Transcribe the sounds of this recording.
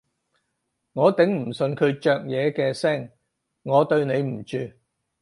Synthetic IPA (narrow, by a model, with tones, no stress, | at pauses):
ŋɔː˨˧t̪ɪ˨˥ŋm̩˨˩sɵ˧nkʰɵ˨˧t͡ʃœː˨˧k̚jɛː˨˧kɛː˧sɛː˥˩ŋ | ŋɔː˨˧t̪ɵ˧ɥne˨˧jm̩˨˩t͡ʃyː˧